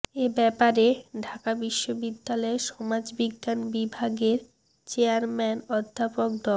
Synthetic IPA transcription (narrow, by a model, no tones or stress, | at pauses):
ebɛpaɾeɖʱakabiʃːobid̪ːalɔeʃɔmad͡ʑbiɡːanbibʱaɡeɾ | t͡ɕeaɾmɛnɔd̪ʱːapok̚d̪ɔl